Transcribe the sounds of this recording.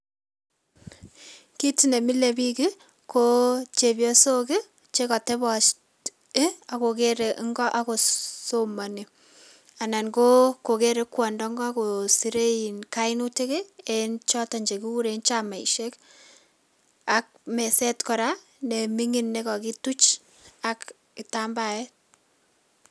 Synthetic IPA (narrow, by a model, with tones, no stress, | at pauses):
ki˦ti˦ne˨mi˦le˨pi˦ki˦ | ko˦t͡ʃe˨bjo˦so˦kɪ˦ | t͡ʃe˦kɔ˨te˦bɔ˨t͡ʃt | ɪ˦a˨ko˨ke˦ɾe˨ʔŋɡɔ˦ʔa˦ko˨soma˨ni˨ | a˨na˨nko˦ko˨ke˦ɾe˦kwɔ˨ndɔ˦ŋɡɔ˦a˦ko˨si˦ɾe˦i˨nka˦ɪ˦nu˦te˦ke˦e˨nt͡ʃɔ˦tɔ˨ɲd͡ʒe˨ki˦wu˦ɾent͡ʃa˦ma˨iʃe˦k | a˦k̚me˨sɛ˦tkɔ˨ɾa˦ | ne˨mi˦ŋi˦nːe˦kɔ˨ki˦tu˦t͡ʃ | a˦k | kita˦mba˨ɛ˦